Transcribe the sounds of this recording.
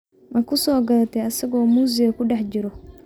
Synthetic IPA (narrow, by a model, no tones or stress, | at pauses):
mɐkʊsɔːɡɐlɐt̪ɛɐsɐɡɔːmuːzɪɡɐkʊɖɛħd͡ʒɪɾɔ